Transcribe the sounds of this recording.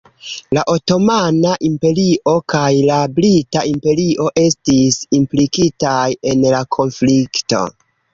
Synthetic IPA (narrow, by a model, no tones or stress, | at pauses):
laʔo̞to̞manaʔimpe̞ɾiʔo̞kajlablitaimpe̞ɾiʔo̞ʔe̞stisimplikitaje̞nlakʰo̞nflikto̞̰